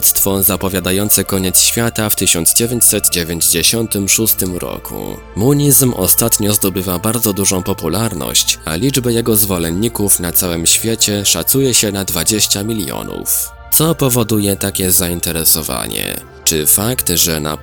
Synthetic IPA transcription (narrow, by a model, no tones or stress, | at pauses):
t̪st̪fɔzapɔvʲjad̪ajɔnt̪sɛkɔɲɛt̪sɕfʲjat̪aft̪ɘɕɔnd̪zd͡ʑevʲeɲt͡ɕsɛt̪d͡ʑevʲjeɲd͡ʑd͡ʑeɕɔnt̪ɘmʂust̪ɘmɾɔ̰kʰṵ | muɲizmɔ̰st̪at̪ɲɔzd̪ɔbɘvabaɾd̪zɔd̪uʐɔ̃w̃pɔpulaɾnɔ̰ɕt͡ɕa̰lʲid͡ʐbajɛɡɔzvɔlɛnːikufnat̪sawɘmɕfʲjɛt͡ɕɛʂa̰t̪sujɛɕɛnad̪vad͡ʑeɕt͡ɕamʲilʲjɔ̰nṵf | t̪sɔpɔvɔd̪ujɛt̪akʲɛzaint̪ɛɾɛsɔva̰ɲɛ̰ | t͡ʂɘfakt̪ʐɛna̰